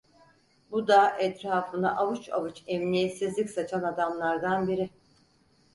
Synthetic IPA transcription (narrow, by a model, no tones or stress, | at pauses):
bud̪aʔɛt̪ɾaːfɯna̰ʔavɯt͡ʃa̰vɯt͡ʃɛmnijɛt̪sizlʲicʲsat͡ʃʰanad̪amlˠaɾd̪anbiɾi